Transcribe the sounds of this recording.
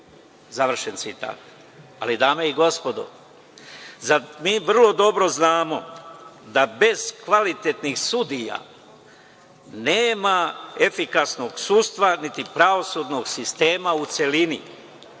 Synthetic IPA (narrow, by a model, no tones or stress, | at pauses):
zaʋr̩ʃent̪sit̪a̰ːt̪ | a̰lid̪aːmeiɡo̞spo̞d̪o̰ | zamiːʋr̩lˠo̞d̪o̞bɾo̞znaːmo̞d̪abe̞z̥kʋalit̪et̪nixsud̪ija̰ | neːmaefikasno̞ɡsuːst̪ʋanit̪ipɾaʋo̞sud̪no̞ɡsist̪e̞ːmaut̪se̞lini